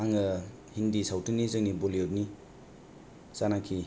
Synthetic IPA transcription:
aŋə | hindisawtʰɯnizəŋnibolijop̚ni | sanakʰi

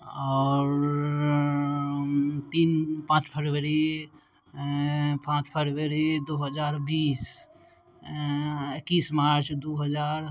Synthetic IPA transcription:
ɔːɾ | t̪iːnpãːt͡ʃpʰəɾʋəɾi | pãːt͡ʃpʰəɾʋəɾid̪oːɦəd͡ʒaːɾbiːs | ɪkːiːsmaːɾɾt͡ʃd̪oːɦəd͡ʒaːɾ

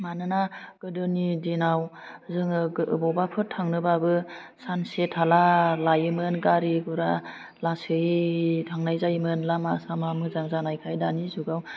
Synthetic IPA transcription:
manɯnaɡ̥ɯdɯnidinawzɯŋɯ̰bɔwbapʰɯtʰːaŋnɯbabɯsansetʰalalajɯmɯnɡaɾiɡuɾa | lasɯtʰaŋnajzajmɯnlamasamamɯzaŋzanajkʰajdanizuɡaw

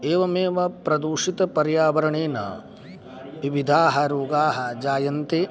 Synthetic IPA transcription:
eːʋɐmeːʋɐpɾɐd̪uːʂit̪ɐpɐɾjaːʋɐɾɐɳeːnɐ̰ | ʋiʋid̪ʱaːɦɐɾoːɡaːɦɐd͡ʒaːjɐnt̪e

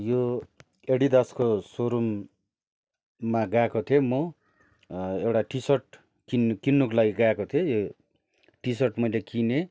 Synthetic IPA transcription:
jo | eɽid̪askosoɾum | aɡakot̪ʰiemo | ewʈaʈisʌrʈ | kinkinːokolaɡiɡaekot̪ʰiejo | ʈisʌʈmʌjlekine

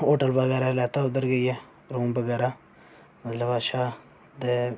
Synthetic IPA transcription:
oːʈəlbəɡɛːɾalɛːt̪aʊd̪əɾɡəiɛ | ɾuːmbəɡɛːɾa | mɐt̪ləbaʃaː | d̪e

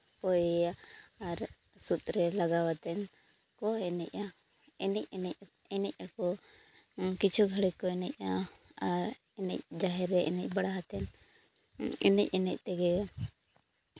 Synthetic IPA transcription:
pɔjjaːɾ | sut̪̚ʼɾɛlaɡawat̪ɛn | kɔɛnɛ̰ca | ɛnɛc̚ɛ | ɛnɛc̚ˀakɔ | kit͡ʃʰuɡʱaɽikɔɛnɛc̚ˀaaɾ | ɛnɛ̰c̚d͡ʒaɦɛɾɛʔɛnɛc̚ˀbaɽaɦat̪ɛn | ɛ̰nɛc̚ɛnɛc̚ˀt̪ɛɡɛ

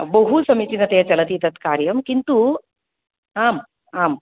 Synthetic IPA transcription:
bəɦusɐmit͡ɕinɐt̪et͡ɕɐlɐt̪it̪ɐt̪kaːɾjɐmkint̪u | am | aːm

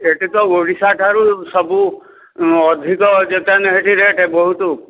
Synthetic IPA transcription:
eʈit̪ɔoɽisaʈʰaɾusɔbu | ɔd̪ʱikɔd͡ʒek̪anɛɦeʈʰiɾeʈebɔɦut̪u

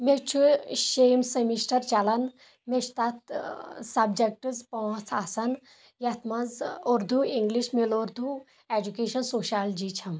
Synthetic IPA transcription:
met͡ʃʰuʃemsɐmisʈɐɾt͡ʃɐlɐn | meʃt̪ɐt̪sɐbd͡ʒɐk̚ʈɨzpɔ̃ːt͡sʰasɐn | jɐt̪ʰmɐzuɾd̪ʱuiŋɡliʃmeloɾd̪ʱu | ed͡ʒukeːʃɐnsoːʃald͡ʒit͡ʃʰɐm

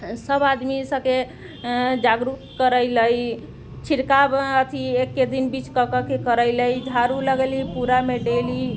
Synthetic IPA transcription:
səbad̪misə̃ke | d͡ʒaɡɾut̪kəɾəjləj | t͡ʃʰiɾkabət̪ʰiekːed̪inbit͡ʃkəkəkekəɾəjləjd͡ʒʱaɾuləɡlipuɾameɖeli

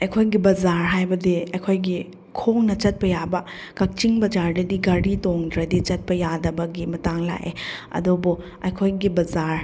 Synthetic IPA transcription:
ɐjkʰojɡibɐzaɾɦajbɐdiɐjkʰojɡi | kʰoŋnɐt͡ʃɐt̚pɐjabɐ | kɐk̚t͡ʃiŋbɐd͡ʒaɾdɐdiɡaɽitoŋdɾɐdit͡ʃɐt̚pɐjadɐbɐɡimɐtaŋla̰ʔḛɐ̰dobu | ɐjkʰojɡibɐzaɾ

